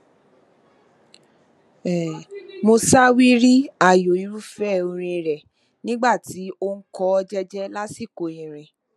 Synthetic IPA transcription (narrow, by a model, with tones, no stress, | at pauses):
ɛ˨mo˧sa˦wi˦ɾi˦a˦˨jo˨i˧ɾu˦fɛ˦˨o˧ɾ̃ĩ˧˨ɾɛ˨ | nĩ˦ɡ͡ba˦˨ti˨˦o˦ŋ̩˦kɔ˦ɔ˧d͡ʒɛ˦d͡ʒɛ˦la˦si˦˨ko˨ĩ˨ɾ̃ĩ˨